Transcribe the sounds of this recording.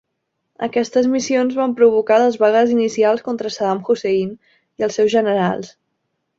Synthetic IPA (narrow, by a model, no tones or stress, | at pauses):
ə̰kɛst̪əzmisionzβampɾuβukaləzβaɣəzinisialˠskont̪ɾəsəðamxusein | iəlˠsɛwzʒənəɾa̰lˠs